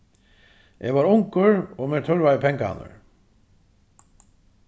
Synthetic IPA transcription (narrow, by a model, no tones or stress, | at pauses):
ʔɛ̰vaɾʊŋkʏɹɔɣmɛɾt̪ʰœɾvaðɪpʰɛŋkaa̰nʏ̰ɹ